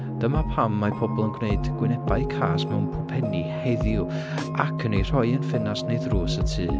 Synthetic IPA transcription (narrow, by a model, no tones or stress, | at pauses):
d̥əmapʰamːapʰɔbɔlˠənɡwneɨdɡ̥wɪnɛbaɨkʰa̰ːsmɛwnpʰrɔpʰɛniheðjʊ | ʔakʰənejr̥ɔɨənfɪnasneɨðroːsətʰɨː